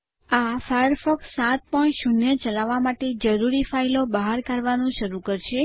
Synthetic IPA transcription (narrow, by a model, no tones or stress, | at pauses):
afajəɾfɔkssat̪̚pəɳʈʃunjət͡ʃəlaʋamaʈed͡ʒəɾuɾifailobaɦaɾkaɾʋanũʃəɾukəɾʃe